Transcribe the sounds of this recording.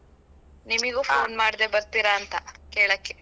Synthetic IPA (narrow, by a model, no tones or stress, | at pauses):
nimiɡuːfoːnmaːɽid̪e̞bɐɾt̪iɾɐːnt̪ɐkeːɭɐːkːe